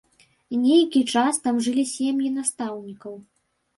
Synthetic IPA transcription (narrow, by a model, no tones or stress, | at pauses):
inʲejkʲit͡ʂast̪amʐɨlʲisʲemjinast̪awnʲikɐw